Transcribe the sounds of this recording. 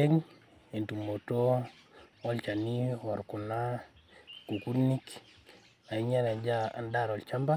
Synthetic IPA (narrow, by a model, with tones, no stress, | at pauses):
ɛ˦ŋ | e˨ntu˨mːo˨to˦ | wɔ˦lt͡ʃa˨niwa˨ɾku˨na˦ | ku˨ku˦ni˦k | a˨i˦ɲa˦na˨d͡ʒa˦a̰˨nda˨ɾɔ˨lt͡ʃa˦mba˦